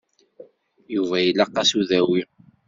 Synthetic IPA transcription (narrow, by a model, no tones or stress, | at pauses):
juvæjilːæqːɑsuðæwi